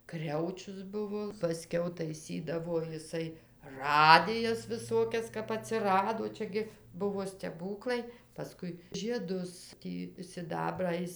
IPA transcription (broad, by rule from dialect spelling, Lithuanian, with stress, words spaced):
ˈkrʲɛʊt͡ʃʲʊs ˈbʊʋoː pɐˈsʲkʲɛʊ tɐɪˈsʲiːdɐʋoː jɪˈsɐɪ ˈrɑːdʲɪjɛs ʋʲɪˈsoːkʲɛs kɐp ɐˈtʲsʲɪrɐdoː ˈt͡ʃʲɛ ɡʲɪ ˈbʊʋoː sʲtʲɛˈbuːklˠɐɪ pɐˈskʊɪ ʒʲiɛˈdʊs ˈtʲiː sʲɪˈdɑːbrɑː ˈjɪs